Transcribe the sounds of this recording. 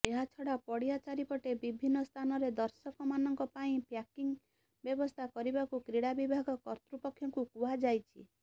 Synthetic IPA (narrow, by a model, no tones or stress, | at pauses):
eɦat͡ʃʰɔɽapɔɽijat͡ʃaɾipɔʈebibʱinːɔst̪ʰanɔɾed̪ɔɾsɔkɔmanɔŋkɔpaĩpjakiŋ | bjɔbɔst̪ʰakɔɾibakukɾiɽabibʱaɡɔkɔɾt̪ɾupɔkʰjɔŋkukuɦad͡ʒajt͡ʃʰḭ